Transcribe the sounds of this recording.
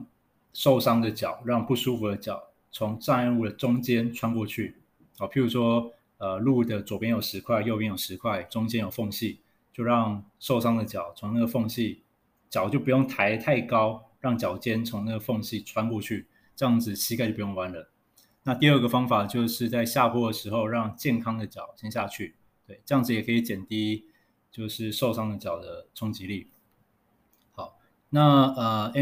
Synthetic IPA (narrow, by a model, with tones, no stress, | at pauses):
ʂo˥˩ʊʂɑ˥ŋd̪ə˨t͡ɕjɑ˨˩ʊɻɑ˥˧ŋpu˥˩ʂu˥fu˧˥d̪ə˦t͡ɕjɑ˨˩˦ʊ | t͡sʰʊ˧˥ŋt͡sa˥˧nə˥˧u˥˩d̪ə˩ʈ͡ʂʊ˥ŋt͡ɕjɛ˥nʈ͡ʂʰwa˥nkwɔ˥˧t͡ɕʰy˥˩˨ | pʰi˧˥ɻu˧˥ʂwɔ˥ | ə˩lu˥˩d̪ə˩t͡swɔ˨˩pjɛ˥njo˨˩ʊʂɻ̩˧˥kʰwa˥˧ɪjo˥˧p̬jɛ˥˧njo˨˩ʊʂɻ̩˧˦˥kʰwa˥˩ɪʈ͡ʂʊ˥ŋt͡ɕjɛ˥njo˨˩ʊfo˥˧ŋɕi˥˩ | t͡ɕjo˥˧ʊɻɑ˥˧ŋʂo˥˩ʊʂɑ˥ŋd̪ə˨t͡ɕjɑ˨˩˦ʊt͡sʰʊ˧˥ŋna˥˩ɡə˩fo˥˧ŋɕi˥˩ | t͡ɕjɑ˨˩ʊt͡ɕjo˥˩ʊpu˧jʊ˥˩ŋt̪ʰa˧˥ɪt̪ʰa˥˩ɪkɑ˦˥ʊɻɑ˥˩ŋt͡ɕjɑ˨˩ʊt͡ɕjɛ˥nt͡sʰʊ˧˥ŋna˥˩ɡə˩fo˥˧ŋɕi˥˩ʈ͡ʂʰwa˥nkwɔ˥˧t͡ɕʰy˥˩ | ʈ͡ʂɤ˥˧jɑ˥˩ŋd͡zɹ̩˨˩ɕʰi˥k̬a˥˩t͡ɕo˥˩pu˩jŋwa˧˥˦nlə˨˦ | na˥˧t̪i˥˧ə˥˧˩ɡə˩fɑ˥ŋfa˨˩t͡ɕjo˥˧ʊʂɻ̩˥˧t͡sa˥˧ɪɕja˥˧pʰwɔ˥d̪ə˨˩ʂɻ̩˧˥xo˥˧ʊɻɑ˥˧ŋt͡ɕjɛ˥˩nkʰɑ˥ŋd̪ə˨t͡ɕjɑ˨˩ʊɕʰjɛ˥nɕja˥˧t͡ɕʰy˥˩ | t̪we˥˩ɪʈ͡ʂɤ˥˧jɑ˥˩ŋd͡zɹ̩˧jɛ˨˩kʰɤ˧˥i˧˩t͡ɕjɛ˨˩nt̪i˥ | t͡ɕjo˥˧ʊʂɻ̩˥˧ʂo˥˩ʊʂɑ˥ŋd̪ə˨t͡ɕjɑ˨˩ʊd̪ə˦ʈ͡ʂʰʊ˥ŋt͡ɕi˧˥li˥˩ | xɑ˨˩˦ʊ | na˥˩ə˩ɛ˥